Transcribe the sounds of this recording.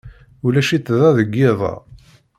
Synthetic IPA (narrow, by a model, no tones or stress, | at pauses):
ulæʃit̪ːðæðəɡːɪðˤɑ̰